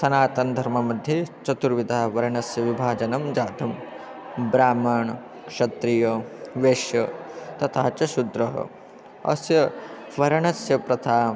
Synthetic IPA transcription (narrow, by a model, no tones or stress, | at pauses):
sɐnaːt̪ɐnd̪ʱɐɾmɐmɐd̪ʱjɐt͡ʃɐt̪uɾʋid̪ʱaːʋɐɾɐɳɐsjɐʋibʱaːd͡ʒɐnɐmd͡ʒaːt̪ʰɐm | bɾaːmɐɳ | kʃɐt̪ɾijɐʋeːʃjɐt̪ɐt̪ʰaːt͡ʃɐʃud̪ɾɐɦɐ̰ | ɐ̰sjɐ | ʋɐɾɐɳɐsjɐpɾɐt̪ʰaː